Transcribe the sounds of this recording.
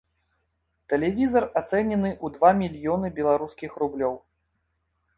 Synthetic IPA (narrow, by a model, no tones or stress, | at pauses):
t̪ɛlʲɛvʲizɐrat̪sɛnʲɛnɨʔud̪vamʲilʲjɔnɨbʲɛlˠaɾuskʲixɾublʲɔw